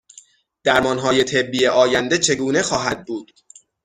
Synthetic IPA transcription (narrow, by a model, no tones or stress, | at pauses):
d̪̥æɾmɒːnɦɒːje̞t̪ʰe̞bːiːjeʔɒːjænd̪e̞t͡ʃʰe̞ɡuːne̞xɒːɦæd̪̚buːd̪̥